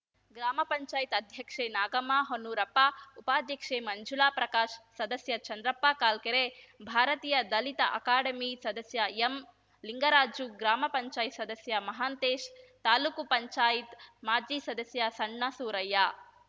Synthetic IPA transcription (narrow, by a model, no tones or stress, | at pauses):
ɡɾaːmɐpɐɲt͡ʃaːjit̪ɐd̪ʱjɐkʂeːnaːɡɐmaːɦonuɾɐpːaupaːd̪ʱjɐkʂeːmɐɲd͡ʒulaːpɾɐkaːʃsɐd̪ɐsjɐt͡ʃɐnd̪ɾɐpːaːkaːlkeɾebʱaːɾɐt̪iːjɐd̪ɐlit̪ɐʔɐ̰kaːɽɐmisɐd̪ɐsjɐem | liŋɡɐɾaːd͡ʒuɡɾaːmɐpɐɲt͡ʃaːjit̪sɐd̪ɐsjɐmɐɦaːnt̪eːʃt̪aːlukupɐɲt͡ʃaːjit̪maːd͡ʒiːsɐd̪ɐsjɐsɐɳːɐsuːɾɐjːa